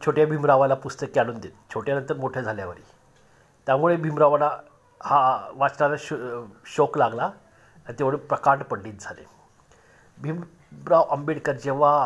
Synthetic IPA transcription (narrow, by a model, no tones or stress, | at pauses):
t͡ɕʰoʈjabʱimɾaʋalapust̪əkːaɽ̃uːnd̪et̪t͡ɕʰoʈjanənt̪əɾmoʈʰjad͡zʱaljaʋəɾḭː | t̪jamuɭebʱimɾaʋana | haʋat͡snalaɕɕoklaɡla | ant̪eʋəɭiːpɾəkaɳʈpəɽliːt̪̚d͡zʱalḛ | bʱim | ɾaʋʔəmbiɽkəɾd͡ʑeʋ̤a